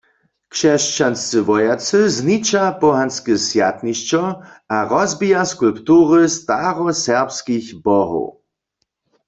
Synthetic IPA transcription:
kʃɛʃt͡ʃanst͡sɨʋɔjat͡sɨznit͡ʃapɔɦanskɛsjat̪niʃt͡ʃɔaʁɔzbijaskulpt̪uːʁəst̪aʁɔsɛʁpskixbɔɦo̰

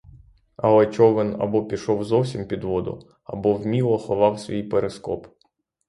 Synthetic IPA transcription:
ɐ̰lˠɛt͡ʃɔʋɪnɐ̰bɔpʲiʃɔwzɔwsʲimpʲid̪ʋɔd̪ʊ̰ | ɐ̰bɔwmʲilˠɔxɔʋɑwsʲʋʲijpeɾeskɔ̰p

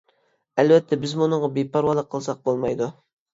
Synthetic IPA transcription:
ælvɛt̪ʰːɛbɪzmʊnəɴʁɑbepʰɑɾwɑlˠəqʰːəlˠsɑq̚bolˠmɑjd̪u

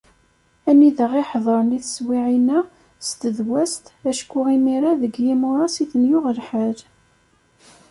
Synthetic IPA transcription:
æmiðəʁiħðˤəɾˤniθswiʕinæ | st̪əðwæst̪æʃkʊʁimiɾaðəɡjimʊɾˤɑsiθənjʊʁəlħəɾ

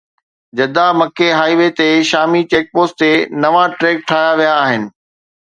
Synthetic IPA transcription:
d͡ʑɐd̪amɐkeɦaːiʋet̪eʃaːmit͡ɕeːk̚poːst̪enɐʋaʈɾeːk̚ʈʰaːjaʋijaːɦɪnɪ̆

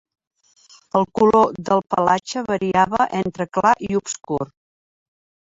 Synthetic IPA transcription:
əlˠkuloðəlˠpəlat͡ʃəβəɾiaβəʔent̪ɾəklaʔiupskur

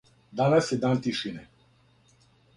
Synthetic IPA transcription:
d̪anasɛd̪ant̪iʃinɛ

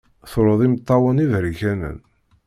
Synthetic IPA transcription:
θoɾˤəðˤimət̪ˤːɑwənivɾiçænə̰n

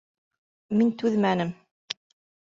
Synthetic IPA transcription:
mint̪ʉðmænɘm

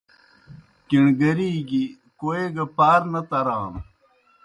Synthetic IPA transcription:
kiɳɡɐɾiːɡi | koeɡɐpaːɾnɐt̪ɐɾaːn

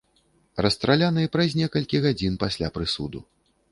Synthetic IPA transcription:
rɐst̪ɾalʲanɨjpɾɐzʲnʲɛkɐlʲkʲiɣad͡zʲinpasʲlʲapɾɨsṵd̪u

